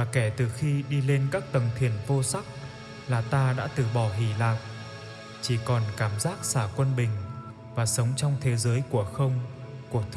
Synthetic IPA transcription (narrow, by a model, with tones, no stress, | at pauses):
vaː˨˩kɛ˧˩t̪ɨ˨˩xi˧ɗi˧le˧nkaː˦˥k̚t̪ə˨˩ŋt̪ʰi˨˩ənvo˧sa˦˥k̚ | laː˨˩t̪aː˧ɗa̰ː˧˥t̪ɨ˨˩ɓɔ˧˩ɦi˧˩laː˨˩k̚ | t͡ɕi˧˩kɔ˨˩nkaː˧˩mzaː˦˥k̚saː˧˩kwə˧nɓï˨˩ŋ̟ | vaː˨˩sə˨˦wŋ͡mt͡ɕɔ˧wŋ͡mt̪ʰe˨˦zəː˨˦jku˧˩əxə˧wŋ͡m | ku˧˩ət̪ʰ